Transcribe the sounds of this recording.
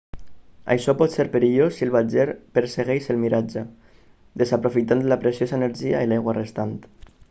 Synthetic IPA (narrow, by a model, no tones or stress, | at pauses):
a̰jʃɔpɔt̪seɾpeɾiʎosilβad͡ʒeɾpeɾseɣejʃelmiɾad͡ʒə | d̪ezapɾofit̪ant̪lapɾesjozaeneɾʒiailajɣwarest̪ant̪